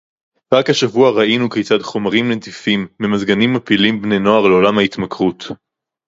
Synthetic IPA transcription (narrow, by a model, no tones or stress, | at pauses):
ʁakhaʃavuaʁaʔinukejt͡sadχo̞maʁimnetifimːemazɡanimapilimbnejno̞aʁleo̞lamhaitmakʁut